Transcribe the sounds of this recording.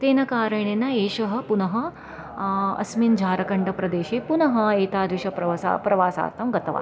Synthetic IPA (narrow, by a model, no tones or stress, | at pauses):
t̪eːnɐkaːɾɐɳ̃eːnɐeːʃɐɦɐ̆punɐɦɐ̆ | ɐ̰smind͡ʒʱaːɾɐkɐɳɖɐpɾɐd̪eːʃeːpunɐɦɐ̆eːt̪aːd̪ʋiʃɐɐsa̰pɾɐʋaːsa̰ːt̪ɐmɡɐt̪ɐʋa̰